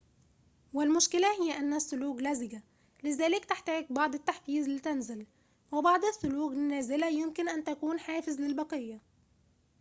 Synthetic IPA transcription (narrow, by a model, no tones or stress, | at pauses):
wɪlmʊʃkɪlæhɪjːæʔænːæsːʊluːɡlæzɪɡa | lɪzæːlɪkt̪ɪħt̪æːɡ̚bɑʕd̪ˤɪt̪ːaħfiːzɪlːit̪ænzɪl | wɪbɑʕd̪ˤasːʊluːɡnːæːzɪlæjɪmkɪnʔænt̪ækuːnħaːfɪzlɪlbɑqɨjːa